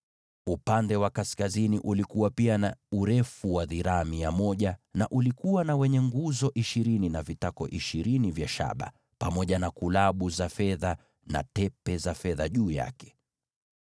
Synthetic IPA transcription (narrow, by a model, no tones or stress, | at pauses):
upandɛwakaskaziniʔulikuwapianauɾɛfuwaðiɾaːmiamɔʄanaʔulikuwanawɛɲɛŋɡuzɔʔiʃiɾininavitakɔʔiʃiɾinivjaʃa̰ɓa̰ | pamɔʄanakulaɓuzafɛða | na̰tɛpɛzafɛðaʄuːja̰kɛ̥